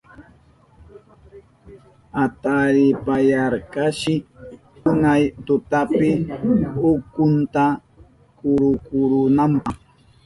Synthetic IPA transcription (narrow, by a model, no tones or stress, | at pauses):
at̪aɾɪpajaɾkaʃɪ | ʊnajt̪ʊt̪apɪ | ʊkʊnt̪a | kʊɾʊkʊɾʊnampɑχ